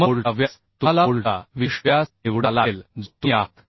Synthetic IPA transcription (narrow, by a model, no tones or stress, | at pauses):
məoɭaʋjas | t̪ulaoɭʈaʋiɕʋjaseʋɽalald͡zt̪uakʰ